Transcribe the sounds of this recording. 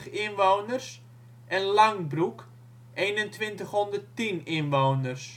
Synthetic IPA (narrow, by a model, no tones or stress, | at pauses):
χɪnʋoːnərs | ʔɛnlaŋbruk | ʔejnəntʋɪntəχhɔndərtinɪnʋoːnərs